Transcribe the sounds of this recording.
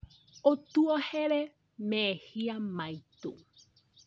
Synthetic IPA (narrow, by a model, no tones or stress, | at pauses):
ot̪uoheɾe | mẽehiamajt̪ṵ